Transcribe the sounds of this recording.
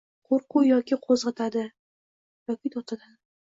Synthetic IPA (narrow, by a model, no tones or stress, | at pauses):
qʰoɾqʊjɒkʲɪqʰozʁɑt̪ʰad̪ɪ | jɒkʲɪd̪ɒt̪ʰad̪ad̪ɪ